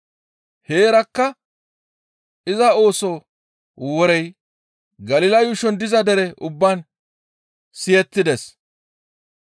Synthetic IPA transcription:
he̞ːɾɐkːɐ | ɪzɐo̞ːsɔ | wɔɾɛj | ɡɐlɪlɐjʊʃɔnd̪ɪzɐd̪ɛɾɛʔʊbːan | sɪjɛt̪ːɪd̪ɛs

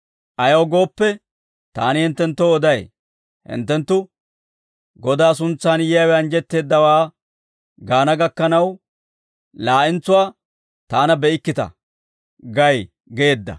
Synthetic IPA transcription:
ʔɐjɐwɡo̞ːpːɛ | t̪aːnɪhɪnt̪ːɛnt̪ːoɔd̪ɐj | hɪ̰nt̪ːɛnt̪ːʊ | ɡɔd̪aːs̬ʊnt͡sːaːnjɪjɐwɛɐnd͡ʒɛt̪ːe̞ːd̪ːɐwaː | ɡaːnɐɡɐkːɐnɐw | laːʔɪnt͡sːʊwaː | t̪aːnɐbɛɪkːɪt̪ɐ̰ | ɡɐj | ɡeːd̪ːɐ̰

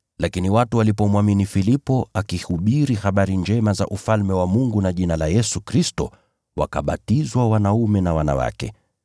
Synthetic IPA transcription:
lakiniwatuwalipɔmwaminifilipɔakihuɓiɾihaɓaɾiɲd͡ʒɛmaza̰ʔufalmɛwamuŋɡunaʄinalajɛsukɾistɔ̰ | wa̰ka̰ɓa̰tizwawanaumɛnawana̰wa̰kɛ̰

